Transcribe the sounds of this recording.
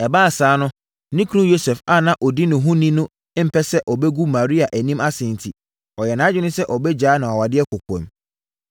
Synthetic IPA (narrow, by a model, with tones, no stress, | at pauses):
ɛ˨baː˦˨saː˨˦nʊ̃˦ | nĩ˦kʰũ˦jo˦sɛ˨fa˦˨nã˨ʔɔ˨di˦nʊ̃˨ɦʊ̃˦nĩ˦nʊ̃˦ | m̩˨pʰɛ˦sɛ˦ʔɔ˨bɛ˦ɡu˦mã˨ɾi˦a˨ʔæ˨nĩ˦ma˦sɪ̃˨n̩˨tʰi˨ | ɔ˨jɛ˨nãː˨˦d͡ʑᶣɪ˦nʊ̃˦sɛ˦ʔɔ˨bɛ˦d͡ʑaː˨˦nã˨ɔ˨wa˨dɪ˦ɛ˦kʰʊ˨kʰʷɔ̰̃˨m